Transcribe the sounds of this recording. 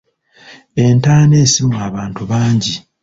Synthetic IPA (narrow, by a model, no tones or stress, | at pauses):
e̞ntaːne̞ːsimaβaːntuβaːɲɟi